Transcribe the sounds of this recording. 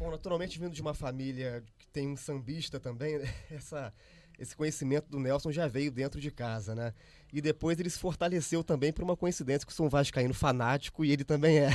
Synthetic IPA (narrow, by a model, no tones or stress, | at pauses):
bõw̃nat̪uɾawmẽnt͡ʃɪvĩnd̪ʊd͡ʒɪũmɐfamilʲɐkɪ̥t̪ẽj̃ũsɐ̃mbiʃt̪ɐt̪ɐ̃bẽj̃ɛɛsɐ | esɪ̥kõɲesimẽnt̪ʊd̪ʊnɛwsõw̃ʒavejʊd̪ẽnt̪ɾʊd͡ʒɪkazɐnɛ | ɪd̪epojzelɪsɪ̥foɾt̪alesewt̪ɐ̃mbẽj̃poɾũmɐkõĩsid̪ẽsjɐkɪʊ̥sɐ̃vajʊʃkaĩnʊfanat͡ʃi̥kʊɪelɪt̪ɐ̃mbẽj̃ɛ